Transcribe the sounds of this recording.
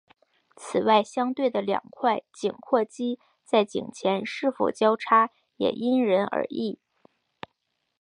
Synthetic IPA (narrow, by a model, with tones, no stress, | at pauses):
t͡sʰɹ̩˨˩wa˥˩ɪɕjɑ˥ŋt̪we˥˩ɪd̪ə˩ljɑ̰˨˩ŋkʰwa˥˩ɪt͡ɕi˨˩ŋkʰwɔ˥˩t͡ɕi˥ | t͡sa˥˩ɪt͡ɕḭ˨˩ŋt͡ɕʰjɛ˧˥nʂɻ̩˥˩fo̰˨˩ʊt͡ɕjɑ˥ʊʈ͡ʂʰa˥ | jɛ̰˨˩ʔi˥nɻə˧˥nə̰˧˥i˥˩